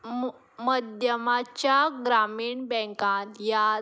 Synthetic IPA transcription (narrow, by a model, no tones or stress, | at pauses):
məd̪jəmat͡ɕjaɡɾamiːɳbɛ̃kãnja